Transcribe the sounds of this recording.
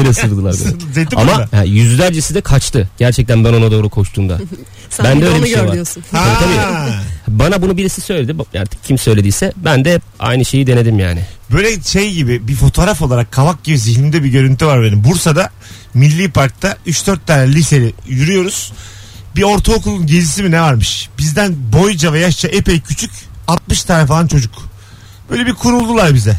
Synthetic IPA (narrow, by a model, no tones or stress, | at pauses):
eɾesɯlˠd̪ɯlˠa̰ɾbṵzeamaahɛjyzd̪ʲæɾd͡ʒesid̪ɛkʰat͡ʃt̪ʰɯɟ̥æɾt͡ʃʰɛc̚t̪ʰænbæno̞nad̪o̞ːɾukʰo̞ʃt̪ʰuːmd̪a̰ | bænd̪ɛøjlʲeiʃejɾvdayjosunaaiːt̪abiːhbanabunubiɾisisø̞jlʲed̪iba̰ɾt̪ʰɯ̥k̚cʰimsø̞jlʲed̪iːsɛbænd̪ɛɛpa̰jnɯʃe̞jid̪e̞ne̞d̪imja̰ːnɪbø̞jlʲɛʃe̞jɟibibifo̞t̪ʰo̞ːɾafo̞lˠaɾakʰːavak̚ɟibiziçnimd̪ɛbiɟø̞ɾynt̪ʰyvaɾbenimbuɾsad̪a | milʲːiːpʰaɾk̚t̪ʰːayt͡ʃd̪øɾt̪ʰːaːnɛlʲise̞ɾijyɾyjo̞ɾuz̥ | bio̞ɾt̪ʰaokulˠunɟe̞d͡ʒisiminɛvaɾmɯʃb̥izd̪ænbo̞jd͡ʒavɛjaʃt͡ʃʰaʔepɛjcʰyt͡ʃʰycat̪̚mɯʃt̪ʰaːnɛfalˠant͡ʃʰo̞d͡ʒuk | b̥ø̞jlʲebikʰuɾulˠːulˠaɾbizɛ